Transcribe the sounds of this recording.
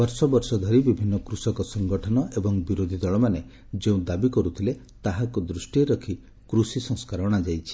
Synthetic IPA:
bɔɾsɔbɔɾsɔd̪ʱɔɾibibʱinːɔkɾusɔkɔsɔŋɡɔʈʰɔnɔʔebɔŋbiɾod̪ʱid̪ɔɭɔmane | d͡ʒeũd̪abikɔɾut̪ʰile | t̪aɦakud̪ɾusʈieɾɔkʰi | kɾusisɔ̃ŋskaɾɔɽ̃ad͡ʒajt͡ʃʰi̥

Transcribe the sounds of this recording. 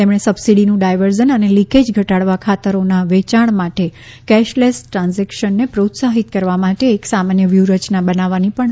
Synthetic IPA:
t̪emɳ̃esəbsiɽinũɖajʋəɾd͡ʒənəneliked͡ʒɡʱəʈaɽʋakʰat̪əɾonaʋet͡ʃaɳ̃maʈe | kɛʃlesʈɾãnzɛkʃənːepɾot̪saɦit̪̚kəɾʋamaʈeːksamanjəʋjuɾət͡ʃnabənaʋanipəɳ

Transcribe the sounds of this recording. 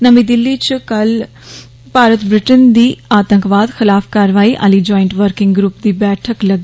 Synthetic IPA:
nəmĩːd̪ɪlːit͡ʃkəl | paːɾət̪bɾɪʈənd̪iːaːt̪ə̃ŋkʋaːd̪xɪlaːfkaːɾʋaːiːʔa̰liːd͡ʒɔːɪɳʈʋəɾkɪ̃ŋɡɡɾuːpd̪iːbɛːʈʰəkləɡ

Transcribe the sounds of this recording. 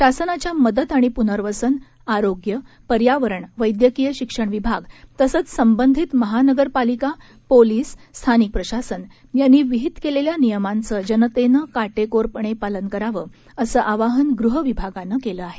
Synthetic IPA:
ɕasənat͡ɕjaməd̪ət̪aɽ̃ipunəɾʋəsən | aɾoɡjə | pəɾjaʋəɾəɳʋəjd̪jəkijəɕikʂəɳʋibʱaɡt̪əsət͡ssəmbənd̪ʱit̪məɦanəɡəɾpalika | poliːsːt̪ʰanik̚pɾəɕasən | janːiːʋiɦit̪keleljanijəmant͡səd͡ʑənət̪enəkaʈekoɾpəɳ̃epalənkəɾaʋəː | əsəːʔaʋaɦənɡɾuɦəʋibʱaɡanːəkeləaɦe̥

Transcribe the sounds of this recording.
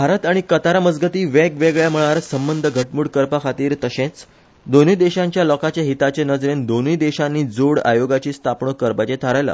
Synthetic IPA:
bʱaɾət̪aɽ̃ikət̪aɾəməd͡zɡət̪iːʋɛkʋeɡɭjam̤əɭaɾsəmbənd̪ʱəɡʱəʈmuɽkəɾpakʰat̪iːɾt̪əɕẽt͡s | d̪onid̪eɕãɲt͡ɕjalɔkat͡ɕjaɦit̪at͡ɕenəd͡zɾend̪oniːd̪eɕanːiːd͡zoɽa̰joɡat͡ɕiːst̪ʰapɳokəɾpat͡ɕet̪ʰaɾajla̰

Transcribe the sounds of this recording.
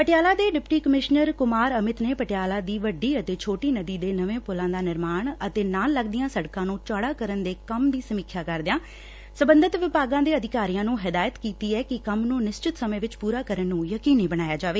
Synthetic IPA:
pəʈɪjaːlaːd̪eːɖɪpʈiːkəmɪʃnəɾkʊmaːɾəmɪt̪neːpəʈɪjaːlaːd̪iːʋəɖiːət̪eːt͡ʃʰoːʈiːnəd̪iːd̪eːnəʋẽːpʊlãːd̪aːnɪɾmaːɳət̪eːnaːləɡd̪ɪjãːsəɽkãːnũːt͡ʃaːɽaːkəɾənd̪eːkəmd̪iːsəmikʰjaːkəɾd̪ɪjãː | səbə̃nd̪ət̪ʋɪpaːɡãːd̪eːəd̪ɪkaːɾijãːnũːɦɪd̪aːjət̪kiːt̪iːɛːkɪkəmnũːnɪst͡ʃɪt̪səmẽːʋɪt͡ʃpuːɾaːkəɾənːũːjəkiːnĩːbəñaːjaːd͡ʒaːʋeː

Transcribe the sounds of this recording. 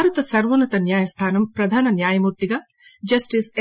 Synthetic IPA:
aːɾɐt̪ɐsɐɾʋɐnɐt̪ɐnjaːjɐst̪ʰaːnɐmpɾɐd̪ʱaːnɐnjaːjɐmuːɾt̪iɡɐ | d͡ʒɐsʈise

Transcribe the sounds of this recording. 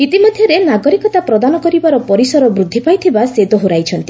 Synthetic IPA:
it̪imɔd̪ʱjɔɾenaɡɔɾikɔt̪apɾɔd̪anɔkɔɾibaɾɔpɔɾisɔɾɔbɾud̪ʱːipajt̪ʰibased̪ɔɦoɾajt͡ʃʰɔnt̪i̥

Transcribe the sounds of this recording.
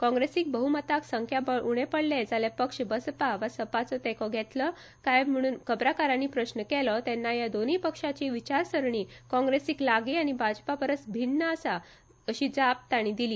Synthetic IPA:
kɔ̃ŋɡɾesiːk̚bəɦumət̪aksəŋkʰjabəʔuɽ̃epəɽled͡zalepəkʂbəspaʋasəpat͡sɔt̪ɛkʰɔɡʱɛt̪lɔ | kajm̤əɽ̃uːnkəbɾakaɾãnipɾəɕnəkɛlɔt̪ɛnːajad̪onipəkʂat͡ɕiːʋit͡ɕaɾsəɾɳiːkɔ̃ŋɡɾesiːklaɡiaɽ̃ibʱad͡ʑpapəɾət͡sbʱinːəəsa | əɕid͡zap̚t̪aɽ̃id̪iliː

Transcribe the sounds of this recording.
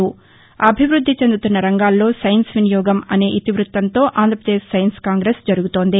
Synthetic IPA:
u | ɐbʱiʋɾud̪ʱːit͡ʃe̞nd̪ut̪unːɐɾɐŋɡaːlːo̞ːsɐjnsʋinijɔːɡɐmɐne̞ːʔit̪iʋɾut̪ʋɐnt̪o̞ːʔaːnd̪ʱɾɐpɾɐd̪eːʃsɐjɐnskaːŋɡɾeːsd͡ʒɐɾuɡut̪o̞ːnd̪i

